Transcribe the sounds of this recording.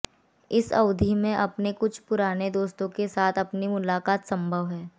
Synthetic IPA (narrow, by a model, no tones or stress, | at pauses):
ɪsɐ̰ʊd̪ʱimẽʔɐpnekʊt͡ʃʰpʊɾaːned̪oːst̪õkesaːt̪ʰɐpnimʊlaːkaːt̪sɐ̃mbʱəʋɦɛː